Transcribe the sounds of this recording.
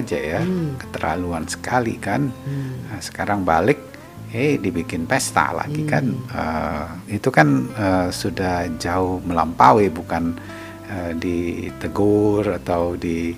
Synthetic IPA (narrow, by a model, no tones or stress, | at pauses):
d͡ʒajakə̥t̪əɾa̰luansə̥kalḭkanəsə̥kaɾaŋbalɪk̚ | edibikɪnpɛst̪a̰la̰ɡikanə̰it̪ukanəsudahd͡ʒaʊhməla̰mpawɪbukan | ədit̪əɡʊrat̪awdi